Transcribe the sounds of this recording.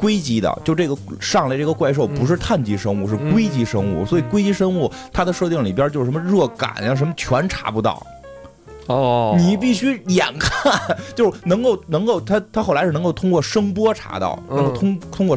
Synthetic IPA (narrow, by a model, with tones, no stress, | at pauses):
kwe˥ɪt͡ɕi˧˥d̪ə̰˧t͡ɕjʊʈ͡ʂɤ˥˩ɡə˩ʂɑ˥˧ŋle˧ɪʈ͡ʂɤ˥˩ɡə˩kwa˥˧ɪʂ̬o˥˩ʊpu˧˥ʂ̬ɻ̩˥˧t̪ʰa˥˩nt͡ɕi˧˥ʂɤ˥ŋu˥˧ʂɻ̩˥˩kwe˥ɪt͡ɕi˧˥ʂɤ˥ŋṵ˥˩swɔ˧˥i˨˩kwe˥ɪt͡ɕi˧˥ʂɤ˥ŋu˥˩ | t̪ʰa˥d̪ə˨ʂɤ˥˧t̪ji˥˩ŋli˨˩pjə˞˥t͡ɕjʊ˩ʂmə˧ɻɤ˥˩ka̰˨˩˦njɑ˥˩ʂ̬ə˧˥mə˧t͡ɕʰɥɛ˧˥nʈ͡ʂʰa̰˧˥pu˧˥t̪ɑ̰˥˩ʊ | ni˨˩pi˥˩ɕy˥jɛ˨˩nkʰa˥˩nt͡ɕjo˥˧ʊʂ̩˥˩nɤ˧˥ŋko˥˩ʊnɤ˧˥ŋko˥˩ʊt̪ʰa˥t̪ʰa˥xo˥˩ʊla˧˥ɪɻ̩˥˩n˧˥ko˥˩t̪ʰʊ˥ŋkwɔ˥˩ʂɤ˥ŋpwɔ˥ʈ͡ʂʰa̰˧˥t̪ɑ̰˥˩ʊnə˧˥ŋo˥˧˩t̪ʰʊ˥ŋt̪ʰʊ˥ŋkwɔ˥˩